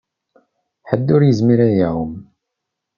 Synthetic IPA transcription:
ħəd̪ːʊɾjəzmiɾæjawəm

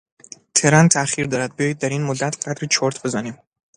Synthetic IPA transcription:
t̪ʰe̞ɾænt̪ʰæxiɾd̪ɒːɾæd̪̚bijɒːjid̪̚ːæɾinmod̪ːæt̪ʰɢæd̪ɾit͡ʃʰoɾt̪ʰbe̞zæniːm

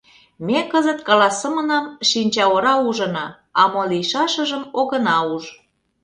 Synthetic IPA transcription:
mʲekəzət̪kɑlɑsə̆mənɑmʃinʲt͡ɕɑwoɾɑuʒɤ̆nɑ | ɑmolijʃɑʃə̆ʒəmoɣə̆nɑuʒ

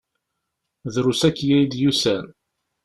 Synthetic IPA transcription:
ðɾusækːjæjd̪jusæn

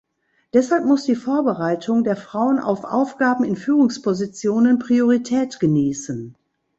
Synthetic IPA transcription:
d̥ɛshalp̚mʊsd̥iːfoːɐbəʁaɪtʰʊŋdeːɐfʁ̥aʊəna̰ʊfʔa̰ʊfɡ̥aːbm̩ɪnfyːʁʊŋspʰozit͡sjoːnənpʁ̥ioʁitʰɛːtɡ̥əniːsən

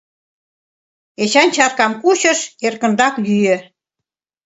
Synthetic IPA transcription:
et͡ɕɑnt͡ɕɑrkɑmkuɕə̆ʃerkə̆nd̪ɑkjyjø

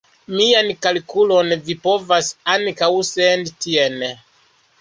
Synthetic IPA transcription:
miankalkulonvipo̞vasankawsendtien

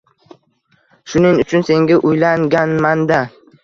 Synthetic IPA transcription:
ʃʊnɪŋʊt͡ʃʰʊnse̞ŋɡʲaʔʊjlaŋɡʲanmand̪a

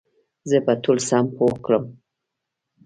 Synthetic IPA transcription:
zəpat̪ulsampokɽəm

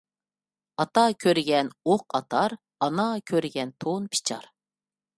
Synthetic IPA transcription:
ɑt̪ɑkʲʰøɾɡʲɛnoqɑt̪ʰɑɾ | ɑnɑkʲʰøɾɪɡʲɛnt̪ʰonpʰi̥t͡ʃʰɑ̰ɾ

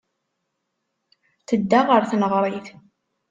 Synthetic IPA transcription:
θəd̪ːaʁəɾθnəʁɾˤiθ

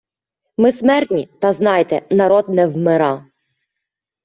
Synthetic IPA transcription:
mɪsmɛrt̪ʲnʲit̪ɐznɑjt̪ɛnɐɾɔd̪̚nɛwmɪɾɑ

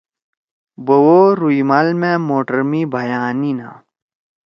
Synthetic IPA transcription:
bowoːɾuimɐlmẽmoːʈəɾmibʱɐjaːnina̰

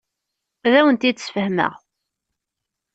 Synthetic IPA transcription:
ðæwənt̪id̪sfəhmə̰ʁ

